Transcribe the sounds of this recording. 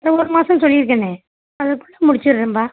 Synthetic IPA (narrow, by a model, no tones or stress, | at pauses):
ɾɐɔɾɯmaːsɐ̃msɔlːɪɾɯk̬ːɐne | ɐðɐkːʊɭːɐmʊɽɪt͡ʃːɯɾɾɐmbaː